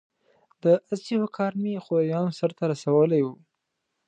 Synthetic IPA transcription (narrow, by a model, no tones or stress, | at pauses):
d̪̥əazihokʰɑɾmixoɾajɑnosəɾt̪aɾasawəlajwu